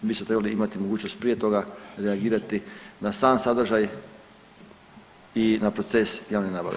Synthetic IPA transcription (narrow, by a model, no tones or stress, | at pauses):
bismot̪ɾebaliimat̪imoɡuːt͡ɕnost̪̚pɾije̞t̪o̞ɡaɾeaɡiːɾat̪inasaːnsad̪ɾ̩rʒaj | inapɾo̞t̪se̞sjaːʋnenaːba̰ʋe